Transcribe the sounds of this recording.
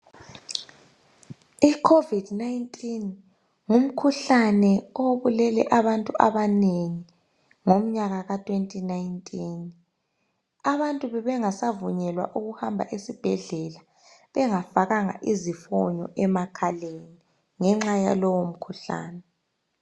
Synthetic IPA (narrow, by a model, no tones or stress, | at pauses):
ikʰovid̥naintʼin | ŋum̩kʰuɬanɛoβulɛlɛ̰ʔaβantʼuʔa̰βaneŋi | ŋom̩ɲaɣaɣatʼʰwentʼinaintʼin | aβantʼuβɛβɛŋasavuɲɛlwa̰ʔuɣuhambʱa̰ʔesib̥ʱɛɮɛla | βɛŋafaɣaŋa̰ʔizifɔɲɔ̰ʔɛmakʰaleni | ŋɛŋ͡ǁaja̰lɔwom̩kʰuɬa̰ːnɛ